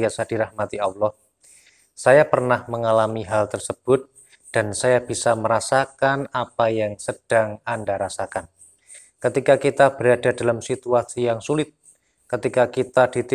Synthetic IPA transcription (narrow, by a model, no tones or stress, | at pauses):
asadiɾahmat̪iawlɔh | sajapərnahməŋalamiɦalt̪ərsəb̥ʊt̪̚ | d̥ansajab̥isaməɾasakanapajaŋsəd̥aŋandaɾasakan | kət̪ikakit̪ab̥əɾadadalamsit̪uasijaŋsulɪt̪̚ | kət̪ikakit̪ad̥it̪i